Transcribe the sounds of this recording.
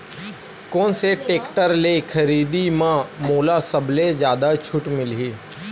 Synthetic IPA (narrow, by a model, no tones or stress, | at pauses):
koːnseʈeːkʈəɾlekʰəɾiːd̪imãmoːlasəbled͡ʒjaːd̪at͡ʃʰʊʈmɪlɦiː